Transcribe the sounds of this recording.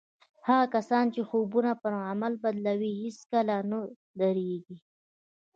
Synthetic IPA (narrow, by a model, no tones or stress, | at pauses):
haɣakasɑnt͡ʃexobunapəɾamalbad̪lawihiskalanə | d̪aɾeɡi